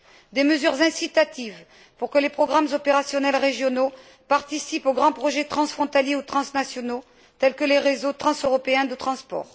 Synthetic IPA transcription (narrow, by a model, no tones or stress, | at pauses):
d̪eməzyʁzɛ̃sit̪at̪iv | puʁkəlepχɔɡʁamzɔpeʁasjɔnɛlʁeʒjɔno | paʁt̪isipoɡʁɑ̃pχɔʒɛt̪χɑ̃sfχɔ̃t̪aljeut̪χɑ̃snasjɔno | t̪ɛlkəleʁezot̪χɑ̃søʁɔpeɛ̃d̪ət̪χɑ̃spɔ̰ːʁ